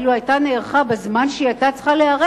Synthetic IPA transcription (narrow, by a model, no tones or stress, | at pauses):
luajtaneːʁχabezmanʃiatat͡sχaleaʁe